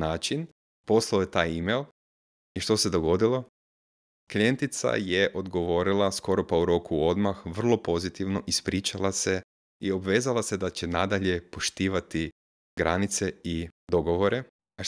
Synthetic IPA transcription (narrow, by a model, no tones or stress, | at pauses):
naːt͡ʃin | po̞slˠaojet̪aːjimelˠ | iʃt̪o̞se̞d̪o̞ɡo̞d̪ilo̞ | klijent̪it̪sa̰jeʔo̞d̪ɡo̞ʋo̞ɾilˠasko̞ɾo̞pauɾo̞kuo̞d̪maxʋr̩lˠo̞po̞zit̪iʋno̞ʔispɾiːt͡ʃalˠase̞ | io̞bʋeːzalˠase̞d̪at͡ɕenad̪aʎe̞po̞ʃt̪iːʋat̪i | ɡɾa̰nit̪seid̪o̞ɡo̞ʋo̞ɾe | a